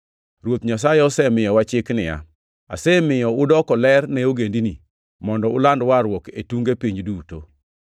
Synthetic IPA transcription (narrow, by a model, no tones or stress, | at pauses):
ɾwot̪ɲas̬ajɛɔsɛmɪjɔwat͡ʃɪknɪja̰ | a̰sɛmɪjɔʊdɔkɔlɛrnɛoɡendini | mɔndɔʊlandwaɾwɔketuŋɡepiɲduto